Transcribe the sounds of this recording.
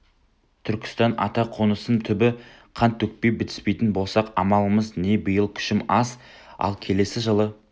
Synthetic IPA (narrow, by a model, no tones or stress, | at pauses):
t̪ʰʏɾkʲɪ̥st̪ɑnɑ̰t̪ɑqʰonəsənt̪ʰʏbɪ | qʰɑnt̪ʰːɵk̚pe̞jbɪt̪ɪ̥spe̞jt̪ɪnbo̞lˠsɑqɑmɑlˠəməzne̞bəjəlˠkʲʰʏ̥ʃɪmɑs | ɑ̰lˠkʲʰe̞le̞sɪʒəlˠə